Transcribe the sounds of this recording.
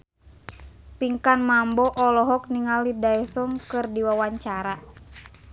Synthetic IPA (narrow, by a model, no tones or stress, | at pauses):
piŋkanmambɔʔɔlɔɦɔk̚niŋalidaɛsɔŋkɨrdiwawaɲt͡ʃaɾa